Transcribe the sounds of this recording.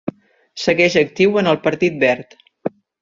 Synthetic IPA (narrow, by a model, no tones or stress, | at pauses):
səɣɛʒək̚t̪iwənəlˠpəɾt̪it̪̚bɛɾt̪